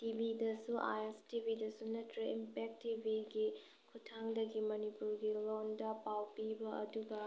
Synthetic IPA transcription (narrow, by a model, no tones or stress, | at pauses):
tibʱidɐsuʔa̰jestibʱidɐsunɐtɾiimpek̚tibʱiɡi | kʰutʰaŋdɐɡimɐnipuɾɡilondɐpawpibɐʔɐ̰duɡɐ